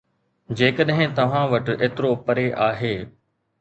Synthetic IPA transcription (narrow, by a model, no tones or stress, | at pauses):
d͡ʑeːkəɗɦɪ̃t̪ɐʋ̤ãʋɐʈeːt̪ɪɾopɐɾeʔaːɦeː